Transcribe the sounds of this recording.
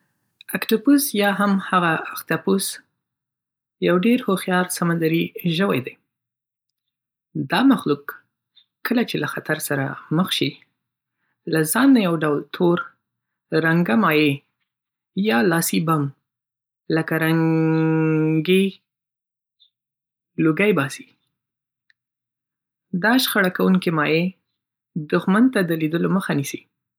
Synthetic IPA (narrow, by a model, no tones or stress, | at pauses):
akʈupusjɑɦamhaɣaakt̪apus | jawɖeɾhoxjɑɾsamand̪aɾiʒəwa̰jd̪aj | d̪ɑmaxlukː | əlat͡ʃelaxat̪aɾsaɾa̰məxʃi | lazɑnːajawɖawlt̪ʰoɾ | ɾaŋɡamɑje | jɑlɑsibam | ləkaɾaŋ | ɡe | luɡajbɑsi̥ | d̪ɑʃxaɽakawuŋkemɑje | d̪ʊxmant̪ad̪əlid̪əloməxanisi